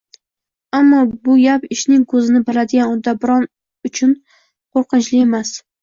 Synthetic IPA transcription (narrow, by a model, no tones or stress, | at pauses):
amːɒbʊjapɪʃnɪŋkʰɵzɪnɪbɪɾad̪ɪɡʲanʊd̪abɪɾɒn | ʊt͡ʃʰʊn | qʰoɾqɨnt͡ʃlɪe̞mas